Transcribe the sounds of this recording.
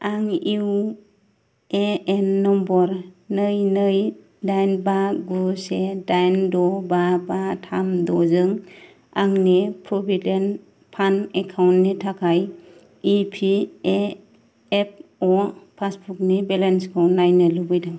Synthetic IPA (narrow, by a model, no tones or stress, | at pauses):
aŋiw | eenːɔmbɔɾnɯjnɯj | dajnbaɡusedajndɔbabatʰamdɔzɯŋ | aŋnipʰɾɔbiden | pʰanekʰawntnitʰakʰaj | ipʰie | ep̚ɔpʰasbuk̚nibelenskʰɯwnajnɯlubɯjdɯŋ